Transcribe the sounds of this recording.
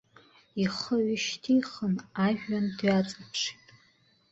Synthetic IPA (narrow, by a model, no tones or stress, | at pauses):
iχəɥɪʃtʰijχənaʒᶣandɥat͡sʼapʰʂi̥tʼ